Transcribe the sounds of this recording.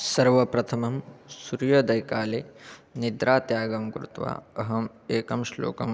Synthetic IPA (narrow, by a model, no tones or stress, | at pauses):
sɐɾʋɐpɾɐt̪ʰɐmɐmsuɾjɐd̪ɐjkaːleːnid̪ɾaːt̪jaːɡɐmkɾut̪ʋa̰ːɐɦɐm | eːkɐmʃlo̰ːkɐ̰m